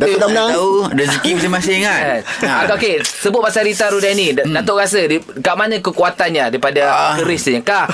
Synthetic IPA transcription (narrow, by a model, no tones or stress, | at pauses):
d̪amnaaudəzikiməsimasɪŋaaokesəbʊt̪̚masaɾit̪aɾudanĩdat̪oʔɡas̬ədi | kaʔmanə̃kəkuat̪anɲadaipadakəɾɪsɲãkah